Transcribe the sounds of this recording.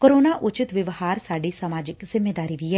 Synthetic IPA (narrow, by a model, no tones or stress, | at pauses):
koːɾoːnaːʔʊt͡ʃɪt̪ʋɪʋhaːɾsaːɖiːsəmaːd͡ʒɪkzɪmːeːd̪aːɾiːʋiɦɛː